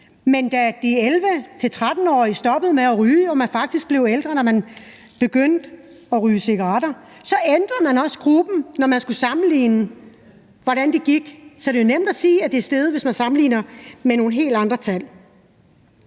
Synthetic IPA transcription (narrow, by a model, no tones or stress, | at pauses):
mend̥æd̥ielʋət͡sʰe̝lt͡sʰʁad̥n̩ɒ̰ːisd̥ɒ̽b̥əð̞̩ˠmeæʁyːɒmænfɑ̈ɡ̥̚d̥isɡ̥̚b̥le̝ʊeld̥ʁɐnɒmæn | b̥e̝ɡ̥øn̰d̥ɒʁyːse̝ɡ̥ɐʁɑɾ̥ɐsɒ̽end̥ʁɐð̩ˠmænɒ̽sɡ̥ʁub̥n̩nɒmænsɡ̥usɑ̈mn̩lḭːnə | ʋɒɾ̥ænd̥eɡ̥iɡ̥sɒɾ̥e̝jo̝nem̰d̥æsiːæd̥e̝sd̥eð̞ˠʋe̝smænsɑ̈mn̩lḭːnɐmeno̝ːn̩ɦe̝̰ːld̥ɑ̈nd̥ʁɐt͡sʰæl̰